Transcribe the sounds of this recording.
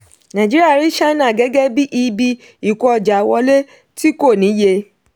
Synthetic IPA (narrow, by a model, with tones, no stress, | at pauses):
nã˨d͡ʒi˦ɾi˦a˦˨ɾi˦ʃa˦nã˦˨ɡɛ˨˦ɡɛ˦bi˦ʔi˧bi˧ | i˨kɔ˧ɔ˧˨d͡ʒa˨wɔ˧le˦ | ti˦ko˦˨nĩ˨˦je˧